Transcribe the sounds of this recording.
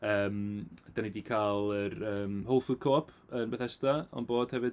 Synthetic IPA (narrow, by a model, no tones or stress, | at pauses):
əːmd̥anidikʰalˠərəːmholˠfʊkʰoːpʰənbɛθɛstaɔ̰nboːd̥hɛvɨd̥